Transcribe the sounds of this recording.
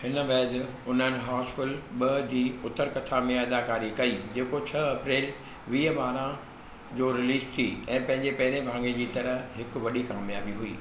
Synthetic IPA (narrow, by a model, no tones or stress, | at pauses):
hɪnəʋɛːd̪ɪʊnənɪ̆ɦaːspɪlɓɐd͡ʑiːʊt̪əɾkɐʈʰamẽɐd̪aːkaːɾikɐiːd͡ʑeːkot͡ɕʰɐɐpɾeːl | ʋiːɦəɓaːɾã | d͡ʑoːɾɪliːst̪ʰiɛ̃ːpɐ̃ɦɪ̃ɲd͡ʑepɐɦɪɾebʱãːŋɡed͡ʑiːt̪ɐɾə̆ɦɪkʋɐɗikaːmjaːbiɦuḭː